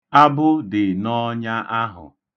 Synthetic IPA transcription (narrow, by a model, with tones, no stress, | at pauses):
a˦bʊ˦dɪ˨nɔ˦ɲa˦ʔa˦ɦʊ̰˨